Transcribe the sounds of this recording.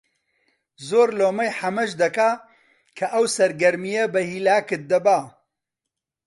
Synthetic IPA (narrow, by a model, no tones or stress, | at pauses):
zoːɾloːmɐjħɐmɐʃd̪ɐka | kʰɐʔɐwsɐɾɡɐɾmijɐbɐhiːlaːkɨt̪̚d̪ɐbaː